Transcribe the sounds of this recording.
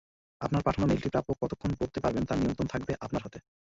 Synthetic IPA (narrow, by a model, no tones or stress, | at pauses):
apnaɾpaʈʰanomelʈipɾapokkːɔt̪okʰːonkoɾt̪epaɾbent̪aɾnijont̪ɾont̪ʰak̚beʔapnaɾɦat̪e